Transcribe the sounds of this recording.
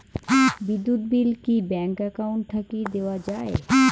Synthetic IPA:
bid̪ːut̪bilkibɛŋkɛkauɳʈt̪ʰakid̪ewad͡ʑae

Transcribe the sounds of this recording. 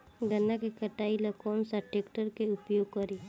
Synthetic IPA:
ɡənːakekəʈaːiləkɔːnsaʈekʈəɾkeʊpjoːɡ̚kəɾi

